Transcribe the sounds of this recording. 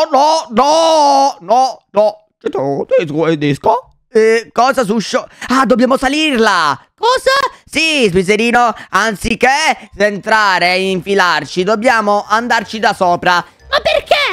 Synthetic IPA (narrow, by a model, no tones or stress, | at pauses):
ɔnɔnɔ | nɔnɔ | t͡ʃɛt̪ot̪esed̪esko | kɔːzas̬uʃːoad̪objaːmosalirlakɔːzasizbiseɾiːnoant̪sikesent̪ɾaːɾeaiɱfilart͡ʃid̪obːjaːmoʔand̪art͡ʃid̪asɔːpɾa | mapːerke